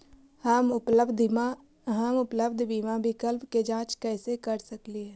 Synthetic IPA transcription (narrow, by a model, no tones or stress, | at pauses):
həmʊləbd̪ | ɦəmʊpləbd̪ʱbiːmabʱɪkəlpked͡ʒãːt͡ʃkɛːsekəɾsəkliɛː